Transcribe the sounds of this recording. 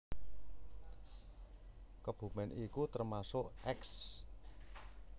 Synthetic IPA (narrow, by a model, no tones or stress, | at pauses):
kəb̥ṳmɛnʔikut̪ərmasʊʔɛks